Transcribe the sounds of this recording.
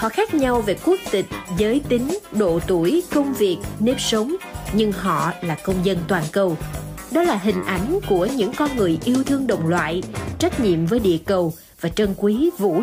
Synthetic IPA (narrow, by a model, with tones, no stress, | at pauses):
hɔ̰˧˨xaː˦˥k̚ɲa˧wve˨˩ku˦˥ək̚t̪ï˨˩k̟̚zəː˨˦jt̪ï˨˦ŋ̟ɗo̰˧˨t̪u˧˩əjkə˧wŋ͡mvi˨˩ək̚ne˧psə˨˦wŋ͡mɲɨ˧ŋɦɔ̰˧˨laː˨˩kə˧wŋ͡mzə˧nt̪waː˨˩nkə˧w | ɗɔ˨˦laː˨˩ɦï˨˩ŋ̟ʔa˨˩jŋ̟ku˧˩əɲɨ̰˧˥ŋkɔ˧nŋɨ˨˩əjʔi˧əwt̪ʰɨ˧əŋɗə̰˧˨wŋ͡mlwa̰ː˧˨jt͡ɕa˦˥k̚ɲḭ˧˨əmvəː˨˦jɗḭ˧˨əkə˨˩w | vaː˨˩t͡ɕə˧nkwi˨˦vṵ˧˥